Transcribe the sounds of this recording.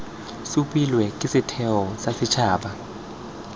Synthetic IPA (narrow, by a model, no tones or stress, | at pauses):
supʼilwɛkʼɪsɪtʰɛɔsasɪt͡ʃʰaːɓa